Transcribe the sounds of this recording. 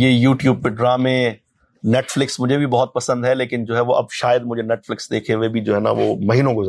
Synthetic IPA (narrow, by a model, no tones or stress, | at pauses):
jeːjuːʈjuːb̚peɖɾaːmẽ | nɛːʈflɪksmʊd͡ʒʱebʱibɐɦɔt̪̚pɐsə̃nd̪ɦɛleːkɪnd͡ʒoːɦɛʋoʔɐ̰bʃaːjəd̪mʊd͡ʒʱenɛːʈflɪksd̪eːkʰeʋebʱid͡ʒoːɦɛna̰ʋo̰ːmɐɦiːnõɡʊz